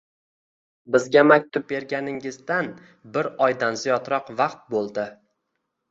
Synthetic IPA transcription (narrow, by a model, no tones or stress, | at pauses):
bɪzɡʲamak̚ʲt̪ʰʊb̚be̞ɾɡʲanɪŋɪzd̪an | bɪɾɒjd̪anzijɒt̪ɾɒqvɑqt̪̚bolˠd̪ɪ